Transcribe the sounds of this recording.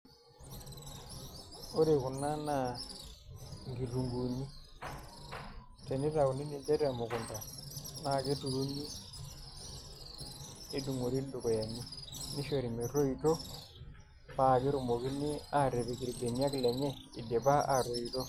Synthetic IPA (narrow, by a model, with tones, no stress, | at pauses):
o˦ɾe˨ku˨nːa˦na˦ | ŋɡi˨tu˨ŋɡu˨nːi˦ | te˨ni˦ta˨ku˨ni˦ni˨d͡ʒe˦ɾa˨mo˨ku˨nda˨na˦˨ke˦tu˨ɾu˦nːi˦ | du˨ŋo˨ɾi˦du˨ko˨ja˨nːi˦ni˦ʃe˨ɾi˨mi˨ro˦i˦˨to˦ | pa˦˨ke˦ɾu˨mo˨ki˦ni˦a˨ɾe˨be˨ki˨ɾi˨de˨ni˦a˦klɛ˨ɲɛ˦i˨de˨ba˦a˨ɾo˨i˨to˦